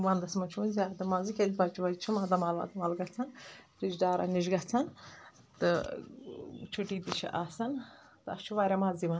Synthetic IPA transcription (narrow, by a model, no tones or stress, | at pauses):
ʋɐnd̪ɐsmɐt͡ʃʰunzʲaːd̪ɨmɐzikʲed̪ʲbɐt͡ʃuʋɐt͡ʃʰumaːd̪ɐmalʋa̰d̪ɐmaːlɡɐt͡sʰɐn | ɾid͡ʒɖaːɾa̰niʒɡɐt͡sʰɐn | t̪ɨ | t͡ʃʰuʈiːd̪it͡ʃʰɐ̰ʔaːsɐn | t̪ɨɐst͡ʃʰuʋaːɾʲamaziʋan